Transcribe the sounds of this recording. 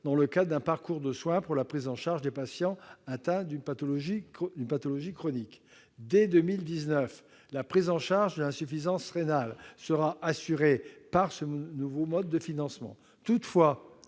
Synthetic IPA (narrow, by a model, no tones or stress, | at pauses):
d̪ɑ̃ləkad̪ɛ̃paʁkuʁd̪əswɛ̃puʁlapχizɑ̃ʃaʁʒd̪epasjɑ̃at̪ɛ̃d̪ynpat̪ɔlɔʒid̪ynpat̪ɔlɔʒikχɔnik | d̪ɛd̪ømild̪iznœf | lapχizɑ̃ʃaʁʒd̪əlɛ̃syfizɑ̃sʁenalsəʁaʔasyʁepaʁsənuvomɔd̪ːəfinɑ̃smɑ̰̃ | t̪ut̪fwa